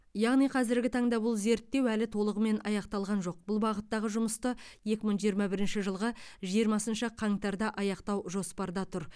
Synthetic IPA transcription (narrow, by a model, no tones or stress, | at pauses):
jɑʁnijqʰɑzɪɾɡʲɪt̪ʰɑɴd̪ɑbʊlˠze̞ɾt̪ːe̞wælɪt̪ʰo̞lˠəʁəme̞nʔɑjɑqt̪ɑlˠʁɑnʒo̞q̚bʊlˠbɑʁət̪ːɑʁəʒʊməst̪əje̞kʲɪməɴʒijəɾmɑbɪɾɪnʃɪʒəlˠʁəʒijəɾmɑsənʃəqʰɑŋt̪ɑɾd̪ɑʔɑjɑqt̪ɑwʒo̞spɑɾd̪ɑt̪ʰʊɾ